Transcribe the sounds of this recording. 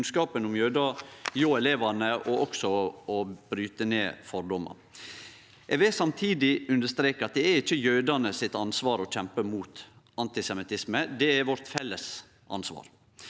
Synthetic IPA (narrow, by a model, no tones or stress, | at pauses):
nskɑːpənʊmjøːd̪ɑjoːɛleːʋɑnəʔɔʔɔksɔɔb̥ɾyːt̪ənḛːfɔɾɖɔmɑ̰ | ʔɛʋɛsɑmt̪ʰiːd̪ɪʉnd̪əʂt̪ɾeːkəɾɑt̪̚d̪ɛːɾɪçːəjœːd̪ɑnəsɪt̪ɑnsʋɑːɾɔc͡çɛmpəmuːt̪ | ɑnt̪ɪsɛmɪt̪ʰɪsməd̪ɛæɾʋɔɾt̪fɛlːəs | ʔɑ̰nsʋɑ̰ːɾ